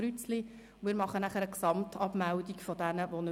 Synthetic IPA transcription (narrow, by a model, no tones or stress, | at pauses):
ɾyt͡sli | ʊmɪːɾmɑχənæχəɾəksɑmtʰɑpmæwdikfɔdænəʋonø